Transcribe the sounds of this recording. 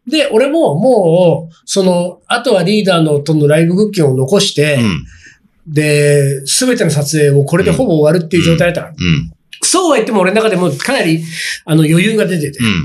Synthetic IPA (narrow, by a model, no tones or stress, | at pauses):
d̪e̞ʔo̞ɾe̞mo̞mo̞ːso̞no̞at̪o̞βaɾʲiːd̪aːno̞t̪o̞nːo̞ɾaibɯɡɯ̟kʲːẽɰ̃o̞no̞ko̞ɕi̥t̪e̞ | d̪e̞sɨbe̞t̪e̞no̞sat͡sɨe̞ːo̞ko̞ɾe̞d̪e̞ho̞bo̞ːβaɾɯ̟t̪ːeiɯ̟ʑo̞ːt̪ajd̪ataã | soːβait̪ːe̞moːɾeakad̪e̞moːkanaɾʲiano̞jo̞jɯːɡad̪e̞t̪e̞t̪e